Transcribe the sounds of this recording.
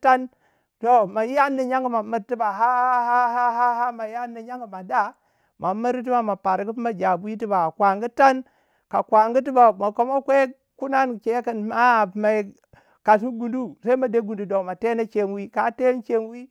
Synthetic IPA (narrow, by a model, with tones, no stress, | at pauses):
ta˦n | to˦ma˨ja˦nːi˨ɲa˦ŋɡu˦ma˨mi˨ɾti˦ba˨ɦa˦ha˦ha˦ɦa˦ɦa˦ɦa˦ma˨ja˦nːi˨ɲa˦ŋɡu˨ma˨da˦ | mʔa˨mi˦ɾi˦t̬i˦ba˨ma˨pa˨ɾɡi˦pi˦ma˨d͡ʒa˨bu˦i˦ti˦ba˨a˨kʷa˨ŋɡu˦ta˦n | ka˨kwa˨ŋɡu˦t̬i˦ba˨ma˨ko˦ma˦kʷe˦ | ku˦na˦nke˦ki˦˨nma˦˨pma˨ | ka˨s̬u˦ɡu˨ndu˦sa˦i˦ma˨de˦ɡu˨ndu˨do˨ma˨te˦na˦t͡ʃe˦nwi˦ka˨te˦n˦t͡ʃe˦nwi˦